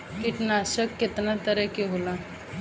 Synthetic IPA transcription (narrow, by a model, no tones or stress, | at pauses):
kiʈnasəkːet̪nat̪əɾəkeɦola